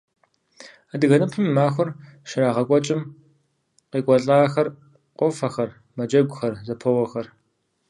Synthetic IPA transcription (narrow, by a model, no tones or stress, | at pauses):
adɨɣɐnɨpʰɨmːaːxʷʊrʃɪɾaːʁɐkʷʼɔt͡ʃʼɪm | qeːkʷʼɔɬʼaːxɐr | qʷʼɔfɐxɐr | mɐd͡ʒɐɡʷʼʊxɐrzɐpʰɐwɐxɐr